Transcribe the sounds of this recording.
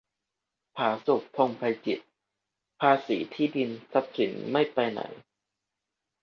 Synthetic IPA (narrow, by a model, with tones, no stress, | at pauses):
pʰaː˩˦su˨˩k̚p̪ʰo˧ŋpʰa˧jt͡ɕi˨˩t̪̚ | pʰaː˧siː˩˦t̪ʰiː˥˩di˧nsa˧˦p̚si˨˩˦nma˥˩jpa˧jna̰˨˩˦j